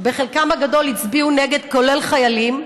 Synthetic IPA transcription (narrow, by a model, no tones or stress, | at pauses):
be̞χelkamaɡado̞lit͡sbiuneɡe̞d̪ko̞lelχajalim